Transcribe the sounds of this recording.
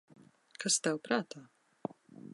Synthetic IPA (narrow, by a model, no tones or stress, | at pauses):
kʰast̪ɛwpɾaːt̪aː